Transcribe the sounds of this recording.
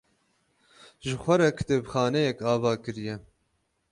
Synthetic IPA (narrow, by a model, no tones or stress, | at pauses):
ʒɨxʷɛɾɛkʰd̪eːbxɑːnɛjɛkɑːvɑːkɨɾijɛ